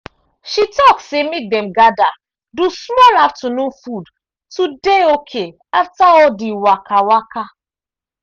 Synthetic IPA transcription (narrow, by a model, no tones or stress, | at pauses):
ʃitɔkssemek̚dɛmɡada | dusmɔlaftunũfud | tudeokʰe | aftaɔdiwakawaka